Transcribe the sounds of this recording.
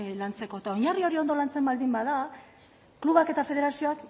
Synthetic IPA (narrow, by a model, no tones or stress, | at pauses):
lant͡se̞ko̞t̪aoɲario̞ɾio̞nd̪o̞lant͡se̞mbald̪imbaða | kluβake̞t̪afe̞ð̞e̞ɾasio̞ak